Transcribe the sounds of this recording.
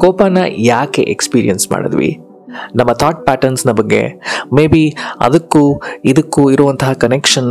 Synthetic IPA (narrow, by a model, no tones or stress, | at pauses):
kɔːpaːnɐjaːkḛʔekspiːɾḭjɐnsma̰ːɽɐ̰d̪ʋḭ | nɐmːɐt̪ʰaːʈ̚paːʈɐɾnsnɐbɐɡːe̞̰meːbiɐ̰d̪ɐkːuid̪ɐkːuiɾuʋɐnt̪ɐɦɐkɐnekʂɐn